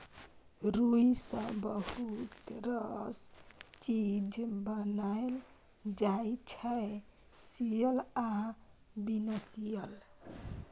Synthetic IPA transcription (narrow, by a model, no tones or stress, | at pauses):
ɾuisə̃bəhut̪ɾʌst͡ʃid͡ʒbənael | d͡ʒajt͡ʃʰɛe | sijəla | binəsijəl